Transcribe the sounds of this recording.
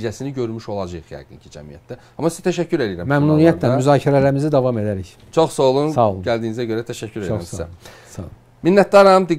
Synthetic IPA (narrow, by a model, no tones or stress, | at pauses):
d͡ʒæsiniɟø̞ɾmyʃo̞lˠɑd͡ʒɯɯχhæ̰ɡḭncʰid͡ʒæ̰mijæ̰t̪ːæ | ɑmɑsiz̥t̪ʰæʃæcʰːyɾe̞lijiɾæmmæmnuːnijæt̪ʰlæmyzɑːcʰiɾælæɾimizid̪ɑvɑme̞d̪æɾiç | t͡ʃʰoχsɑolˠunsɑolˠuɟæld̪iːnizæɟøɾæt̪ʰæʃæcʰːyɾelioɾæmsæ̰ | sɑ̰ | minːæt̪̚d̪ɑɾɑmd̪i